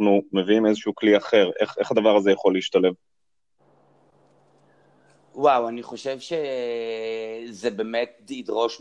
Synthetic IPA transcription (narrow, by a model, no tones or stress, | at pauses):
numeviimezeʃuukliaχe̞ʁʔeχe̞χad̪avaʁazejaχo̞liiʃt̪ale̞v | wawaniχo̞ʃevʃe | zebemet̚id̪ʁo̞ʃ